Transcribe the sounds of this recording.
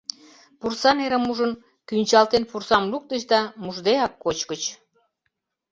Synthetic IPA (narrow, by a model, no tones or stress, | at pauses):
pursɑneɾəmuʒən | kynʲt͡ɕɑlt̪enpursɑmluk̚t̪əɕd̪ɑmuʒd̪eɑkːot͡ɕkət͡ɕ